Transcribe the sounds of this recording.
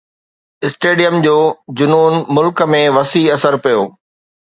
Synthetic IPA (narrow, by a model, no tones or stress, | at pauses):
ɪsʈeːɖijəmd͡ʑoːd͡ʑʊnoːnmʊlkmẽʋɐsiɐsəɾpijoː